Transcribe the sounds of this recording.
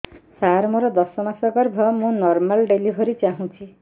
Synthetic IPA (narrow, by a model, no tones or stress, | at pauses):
saɾmuɾʌd̪ʌsʌmasʌɡʌrbʱʌmũnɔrmalɖelibʱʌɾit͡saɦũt͡sʰi